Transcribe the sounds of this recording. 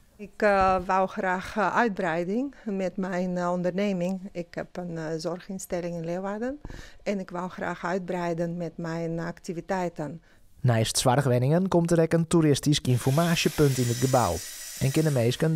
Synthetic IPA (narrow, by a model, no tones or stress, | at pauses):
ɪkʋalˠxraːxœɥd̚brɛjdɪŋmɛtmɛjnɔndərneːmɪŋɪkhɛpənzɔrxɪnstɛlɪŋɛnlɪʋaːrdənɛnɪkʋalˠxra̰ːxœɥd̚brɛjdənmɛtmɛjnaktivitɛjtən | nɛjstsʋarxʋɛnɪŋənkɔmtəɾɛkəntuɾɪstiskinfɔrmaːsjəpøntɪnət̚ɡəba̰wɛnkɪnəmejskən